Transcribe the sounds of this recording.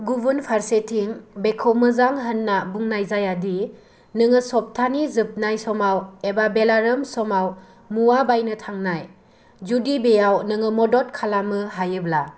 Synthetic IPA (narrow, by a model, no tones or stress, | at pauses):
ɡubunpʰaɾsetʰiŋbekʰɔwmɯzaŋɦɯnːabuŋnajzajadi | nɯŋɯsɔp̚tʰanizɯp̚najsɔmawebabelaɾɯmsɔmaw | muwabajnɯtʰaŋnaj | zudibejawnɯŋɯmɔdɔt̚kʰalamɯɦajɯbla